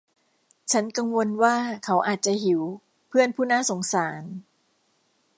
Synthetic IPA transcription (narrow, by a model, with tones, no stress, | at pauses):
t͡ɕʰa˦˥nka˧ŋwo˧nwaː˥˩kʰa˦˥wʔaː˨˩t̪̚t͡ɕa˨˩hi˩˦w | pʰɯ˥˩ənpʰuː˥˩naː˥˩so˩˦ŋsaː˩˦n